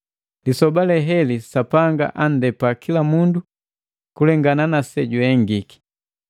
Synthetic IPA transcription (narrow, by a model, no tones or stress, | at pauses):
lisɔbalɛɦɛlisapaŋɡa̰ʔandɛpakilamundu | kulɛŋɡananasɛɟwɛŋɡiki̥